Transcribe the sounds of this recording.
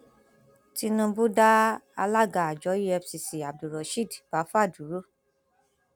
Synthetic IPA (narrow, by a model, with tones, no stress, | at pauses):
ti˧nũ˧bu˦da˦a̰˧la˦ɡa˨a˨d͡ʒɔ˨˦ji˦ɛ˧fsi˧si˨a˨b̚du˨ɾɔ˨ʃi˦˨db̥a˨˦fa˦˨du˨˦ɾu˦